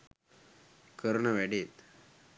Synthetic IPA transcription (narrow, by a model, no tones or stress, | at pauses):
kəɾɳəʋɛɽet̪